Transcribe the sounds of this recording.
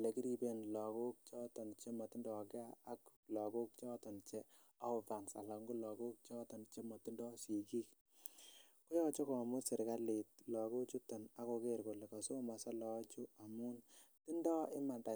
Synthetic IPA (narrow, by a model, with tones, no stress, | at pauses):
le˨ki˦ɾi˧be˦nlɔ˨ko˦k̚t͡ʃɔ˦tɔ˨nt͡ʃe˦mɔ˨ti˦ndɔ˨ɡe˦aː˦klɔ˨ɡo˦k̚t͡ʃɔ˦tɔ˨nt͡ʃe˦ | a˦o˨va˨nsa̰˨la˨ŋɡu˦lɔ˨ɡo˦k̚t͡ʃɔ˦tɔ˨nt͡ʃe˦mɔ˨ti˦ndɔ˦ʃi˨ki˦k | ko˦ɔ˦˨t͡ʃo˦kɔ˨mu˦si˨ɾka˦le˨t̚lɔ˨ɡo˦t͡ʃu˦tɔ˨na˦ko˧ke˦˨ɾko˨le˨ka˨so˦ma˨sa˦lɔ˨˦t͡ʃu˦a˨mu˦nti˦ndɔ˦ɪ˦ma˨nda˨